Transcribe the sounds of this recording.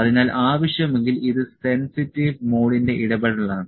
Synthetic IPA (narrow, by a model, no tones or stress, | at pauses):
ɐðinaːlʔaːʋɐɕjɐmeŋɡiliðɨse̞nsitːiʋmoːɽinde̞ʔiɽɐbɐɽɐɐɭaːɳɨ